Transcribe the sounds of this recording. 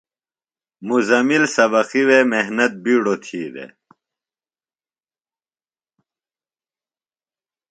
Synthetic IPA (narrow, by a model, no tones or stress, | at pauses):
muzɐmilsɐbɐxiweːmeɦnɐt̪̚biːɽot̪ʰiːd̪ḛ